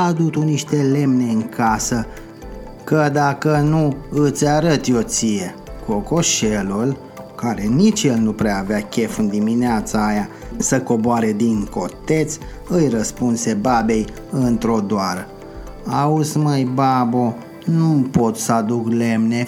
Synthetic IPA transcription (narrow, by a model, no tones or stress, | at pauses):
ad̪ut̪uniʃt̪e̞le̞mne̞ɨŋkʰasə | kəd̪akənuɨt̪sʲaɾət̪jo̞t̪sije̞ | ko̞ko̞ʃelul | kaɾe̞nit͡ʃjelnupɾeaːveakʲe̞fɨnd̪imineat̪saːja | səko̞boaɾe̞d̪iŋko̞t̪e̞t̪sʲ | ɨjrəspunse̞babe̞j | ɨnt̪ɾo̞d̪oaɾə | auzməjbabo | numpo̞t̪səad̪ukle̞mne̞